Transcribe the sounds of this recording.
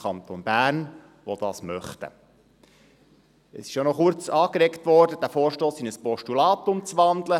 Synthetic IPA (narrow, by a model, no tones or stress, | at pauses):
ɑnt̪onbæːɾn | ʋod̥̪ɑsmœχt̪ə̰ | əsɪ̥ʃjonɔχʊɾt͡sɑːkɾɛktʋɔɾdəd̥æfoːɾʃtoːsɪnəspɔʃtulɑːt̪ʊmt͡sʋɑndlə